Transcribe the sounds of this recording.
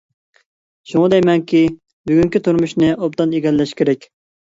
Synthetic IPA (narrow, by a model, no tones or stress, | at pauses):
ʃuŋɑd̪ɛjmɛŋkʲi | byɡʲyŋkʲit̪ʰuɾmuʃnɪʔop̚d̪ɑneɡʲɛlːɛʃkʲʰeɾɛkʲ